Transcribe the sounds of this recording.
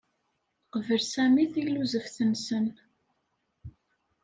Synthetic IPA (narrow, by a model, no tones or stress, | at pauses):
qəvəlsæmiθijluzəfθənsən